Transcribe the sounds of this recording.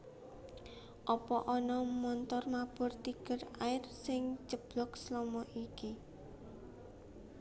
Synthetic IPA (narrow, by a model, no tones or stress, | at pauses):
ʔɔpɔʔɔnɔmɔnt̪ɔrmab̥ɔ̤rt̪iɡ̥əraɪrsɪŋt͡ʃəb̥lɔkslɔmɔʔiki